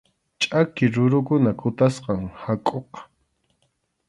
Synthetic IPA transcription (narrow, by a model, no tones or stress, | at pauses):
t͡ʃʼakɪɾʊɾʊkʊnakʊt̪asqɑŋhakʼoq